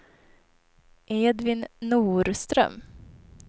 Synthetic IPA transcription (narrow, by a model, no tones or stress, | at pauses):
ʔeːd̪vɪnːuːɾst̪ɾœ̰m